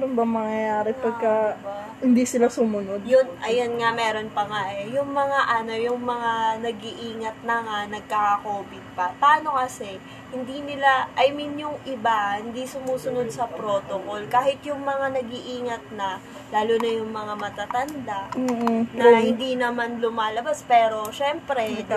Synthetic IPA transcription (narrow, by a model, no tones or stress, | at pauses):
ɛɾonbɐŋmɐŋjɐjaːɾɛpaɡ̚kɐ | hɪnd̪isɪlasʊmʊnod̪̚jʊnʔɐjonŋamɛːɾo̞npɐŋaʔɛjʊŋmɐŋaʔɐno̞jʊŋmɐŋanɐɡiʔiːŋɐt̪̚nɐŋanɐɡ̚kakɐkoːbɪd̪̚pɐpɐaːno̞kɐsɛ | hɪnd̪inɪlaʔɐjmɪnjʊŋʔɪbahɪnd̪isʊmuːsʊno̞d̪̚sɐpɾo̞ːt̪oko̞lkaːhɪt̪jʊŋmɐŋanɐɡiʔiːŋɐt̪̚nɐ | laːlunɐjʊŋmɐŋamɐt̪at̪ɐnd̪aʔ̩nɐhɪnd̪inɐmanlʊmaːlɐbaspɛːɾo̞ʃɛmpɾɛ